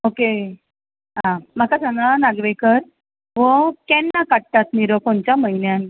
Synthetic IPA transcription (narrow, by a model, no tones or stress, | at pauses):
oke | ɦãməkasãŋɡɭanaɡʋekəɾ | ʋəkɛnːakaɽt̪at̪niɾokoɳt͡ɕaməɦinjan